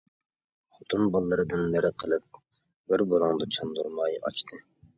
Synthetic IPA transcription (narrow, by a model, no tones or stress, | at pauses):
χot̪ʰunbɑlˠːɨɾɨd̪ɨnmɪɾɪqʰəlˠɨp̚ | bɪɾbolˠɑŋd̪ɑt͡ʃʰɑnd̪uɾmɑjɑ̰t͡ʃt̪ʰɨ